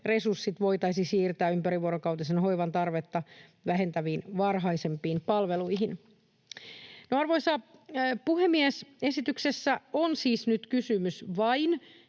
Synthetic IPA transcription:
re̞sursːit̪ʋo̞jt̪ɑjsisiːrt̪æːympæɾiʋuoɾokɑwt̪isenɦo̞jʋɑnt̪ɑrʋe̞t̪ːɑʋæɦe̞nt̪æʋiːnʋɑrɦɑjse̞mpˑiːnpɑlʋe̞luiɦin | noɑrʋojsɑpuhemːiese̞sit̪yksesːæonsiːsnyt̪kysymysʋɑin

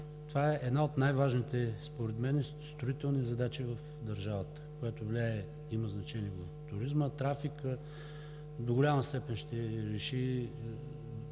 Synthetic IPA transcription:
t̪ovaɛʔːd̪naot̪najvaʒnit̪ɛspoɾɛt̪mɛnɛ | st̪ɾʊit̪ɛlˠnizɐd̪at͡ʃivɐf | d̪ɐɾʒavət̪ə̥kojat̪ovlʲaɛ | iməznɐt͡ʃɛniɛvɐft̪ʊɾizmət̪ɾafikə | d̪oɡolʲaməst̪ɛpɛnʃt̪ɛɾɛʃi

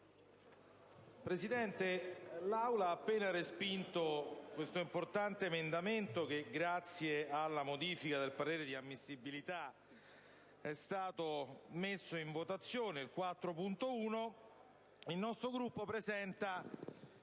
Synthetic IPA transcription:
pɾesid̪ɛnt̪elawlaaːpːeːnarespint̪okwest̪oimport̪ant̪eːmend̪ament̪ok̟eɡɾat̪sːjealːamod̪iːfikad̪elpaɾeːɾed̪iamːisːibilit̪a | ɛst̪aːt̪omesːoiɱvot̪at̪sːjoːneilkwat̪ːɾopunt̪ouːno | ilnɔst̪ɾoɡɾupːopɾezɛnt̪a

